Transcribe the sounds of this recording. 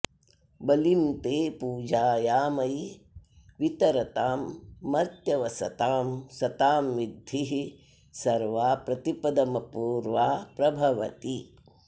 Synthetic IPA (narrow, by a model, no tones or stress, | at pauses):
bɐlimt̪eːpuːd͡ʒaːjaːmɐj | ʋit̪ɐɾɐt̪aːmːɐɾt̪jɐʋɐsɐ̰t̪aːmsɐt̪aːmʋid̪ʱiɦi | sɐɾʋaːpɾɐt̪ipɐd̪ɐmɐpuːɾʋaːpɾɐbʱɐʋɐ̰t̪i